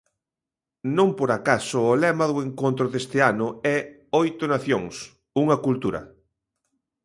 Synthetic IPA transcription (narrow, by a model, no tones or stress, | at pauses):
nõmpoɾakasʊːlɛmɐðʊeŋkont̪ɾʊðest̪ɪanʊɛ | ojt̪onaθjoŋs | uŋɐkult̪uɾɐ̰